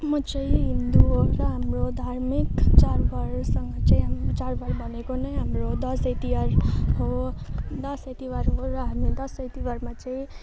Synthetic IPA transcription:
mʌt͡sãĩɦind̪uoɾʌɦamɾod̪ʱaɾmikt͡ʃaɾbʌɾsʌŋɡʌt͡saĩt͡ʃaɾbʌɾbʱʌnekonʌjɦamɾod̪ʌsʌjt̪iʋaɾɦo | d̪ʌsʌjt̪iʋaɾɦoɾʌɦamikd̪ʌsʌjt̪iwaɾmat͡sãĩ

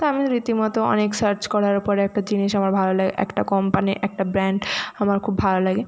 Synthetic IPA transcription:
t̪oamiɾit̪imɔt̪oɔ̰neksəɾt͡ɕkɔɾaɾpɔɾeɛk̚ʈad͡ʑiniʃamaɾbʱalolaɡḛʔɛ̰kʈakɔmpaniʔɛk̚ʈabɾɛɳɖamaɾkʰubbʱalolaɡe

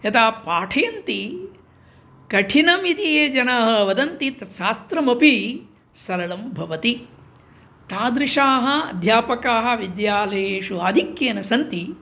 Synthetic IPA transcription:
ɐt̪aːpaːʈʰɐjɐnt̪i | kɐʈʰinɐmit̪ijeːd͡ʒɐnaːɦɐ̆ʋɐd̪ɐnt̪it̪ɐʃaːst̪ɾɐmɐpi | sɐɾɐlɐmbʱɐʋɐt̪i | t̪aːd̪ɾɪʂaːɦɐ̆ɐ̰d̪ʱjaːpɐkaːɦɐ̆ʋid̪jaːlɐjeːʃuaːd̪ʱikjeːnɐsɐnt̪i

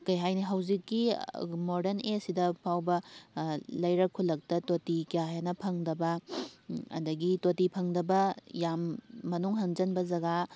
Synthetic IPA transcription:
kɐjɦajniɦɐwzikːimoɾdeɾnesidɐpʰawbɐ | lɐjɾɐkʰːulːɐk̚tɐtotikijaɦjanɐpʰɐŋdɐbɐ | ɐ̰dɐɡitotipʰɐŋdɐbɐjamːɐnuŋɦɐnd͡ʒɐnbɐzɐɡa

